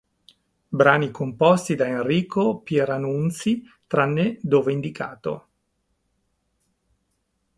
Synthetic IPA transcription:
bɾaːnikompɔst̪id̪aenriːkopjeɾanunt̪si | t̪ɾanːed̪oːveind̪ikaːt̪o̰

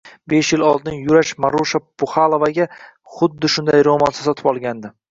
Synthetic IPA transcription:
beʃjɪlɒlˠd̪ɪnjʊɾaʃmaɾuʃapʊχalˠovaɡʲa | χʊd̪ːɪʃʊnd̪ajɾomɒnsɪsɒt̪ʰɪ̥pɒlˠɡʲand̪ɪ

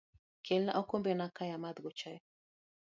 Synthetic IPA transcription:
kʰɛlna̰ʔɔkombɛnakajamad̪ɡot͡ʃaj

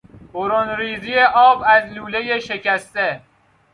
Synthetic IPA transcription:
boɾonɾiːzijeʔɒːbæzluːlejeʃecʰæst̪e

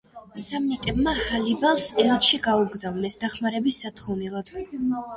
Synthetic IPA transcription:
samnit̪ʼɛbmahalibalˠsɛlʃiɡauɡɾzavnɛsd̪aχmaɾɛbisːat̪ʰχɔvnɛlˠad̪̥

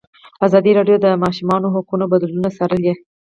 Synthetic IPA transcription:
azɑd̪iɾɑɖjod̪əmɑʃumɑnoɦʊkunobad̪lunasɑɾəlje

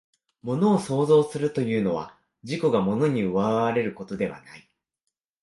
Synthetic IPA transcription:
mo̞no̞ːso̞ːzo̞ːsɨɾɯ̟t̪o̞jɯ̟ːno̞β̞a̰ | ʑiko̞ɡamo̞no̞ɲ̟iɯ̟βaβaɾe̞ɾɯ̟ko̞t̪o̞d̪e̞βa̰nai

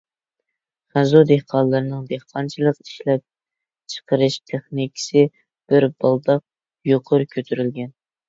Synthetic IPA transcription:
χæzud̪ehqʰɑnlˠɨɾɨnɨŋd̪ehqʰɑnt͡ʃʰilˠəqi̥ʃlɛp̚ | t͡ʃʰə̥qʰəɾɨʃt̪ʰeχnikʲʰɪ̥sɪ | b̥ɪɾbɑlˠd̪ɑq̚ | joqʰʊɾkʲʰøt̪ʰyɾylɡʲɛn

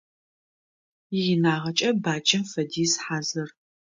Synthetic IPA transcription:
ɪjɪnaːʁɐt͡ʃʼɐbaːt͡ʃʼɐmfɐdiːsħaːzɐr

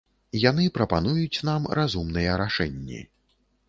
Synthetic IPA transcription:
janɨpɾɐpanujut͡sʲnamrazumnɨjɛɾaʂɛnʲːḭ

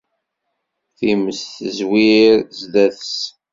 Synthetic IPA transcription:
θiməsθəzwiɾzlæθəs

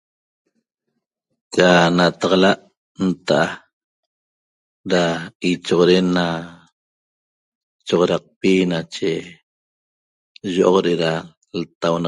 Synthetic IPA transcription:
kanat̪ɑʁɑlaʔ | nt̪aʔa | ɾait͡ʃoʁoɾenːa | t͡ʃoʁoɾɑq̚pinat͡ʃe | ʒoʔoqɾeʔeɾa | lt̪awn

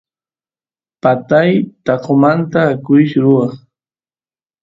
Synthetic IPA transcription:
pat̪ajt̪ɑqomant̪aːkʊʃɾʊɑχ

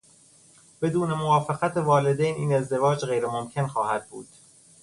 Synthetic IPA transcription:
b̥e̞d̪uːne̞movɒːfeɣæt̪ʰevɒːle̞d̪ejniːne̞zd̪e̞vɒːd͡ʒɢejɾemomcʰe̞nxɒːhæd̪̚bṵːd̪̥

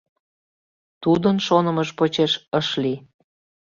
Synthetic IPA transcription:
t̪ud̪ənʃonə̆məʃpot͡ɕeʃəʃli

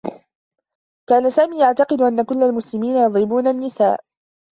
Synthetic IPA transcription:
kaːnasaːmiːjaʕt̪ɑqɨd̪ʊʔanːakʊlːalmʊslɪmiːnajɑd̪ˤɾɪbuːnanːɪsaːʔ

